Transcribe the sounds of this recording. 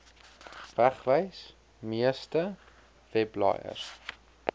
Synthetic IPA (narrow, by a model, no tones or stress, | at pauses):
væχvəjs | miəstə | vɛblɑ̰jə̰r